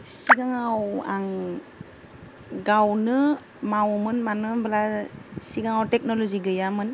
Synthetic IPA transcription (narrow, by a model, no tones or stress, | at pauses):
siɡaŋawaŋ | ɡawnɯ | mawmɯnmanɯbɯlasiɡaŋawtɛk̚nɔlɔziɡɯjamɯn